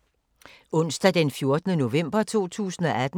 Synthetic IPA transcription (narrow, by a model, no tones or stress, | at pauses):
ɔ̽n̰sd̥æd̥enfjo̝ɐd̥nəno̝ʋem̰b̥ɐt͡sʰo̝̰ːt͡sʰṵːsn̩ɒ̽ʔæd̥